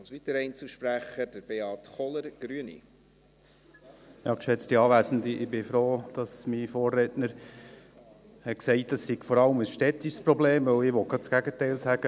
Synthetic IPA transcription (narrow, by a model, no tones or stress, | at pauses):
ɑlsʋit̪əɾɛɪnt͡sl̩ʃpɾæχəd̥əɾb̥eɑtχɔləɾɡ̥ɾyənḭ | jɑːkʃɛt͡stiɑːʋæːsn̩diʔɪbɪfɾoːd̥ɑsmifoːrːɛtnəɾ | hɛksɛɪt̚d̥ɑsːɪɡ̥fɔɾɑləməsʃtɛtiʃspɾɔbleːmʋɵwɪʋɔɡ̥ɑt͡sɡ̥æɡətɛɪlsæɡ̥ə